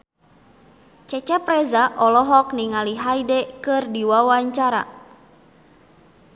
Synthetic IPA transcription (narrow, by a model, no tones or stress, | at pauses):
t͡ʃɛt͡ʃɛprɛzaʔɔlɔɦɔk̚niŋaliɦajdɛkɨrdiwawaɲt͡ʃaɾa̰